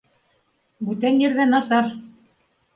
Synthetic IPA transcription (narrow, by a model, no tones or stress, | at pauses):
bʉt̪ænjɘ̆ɾðænɑsɑɾ